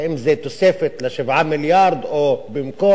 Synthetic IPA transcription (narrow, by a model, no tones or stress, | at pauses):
ʔɪmːzeːt̪ʊseːfɪt̪laʃɪbʕamɪljɑːɾˤd̪ʔobɪmkoː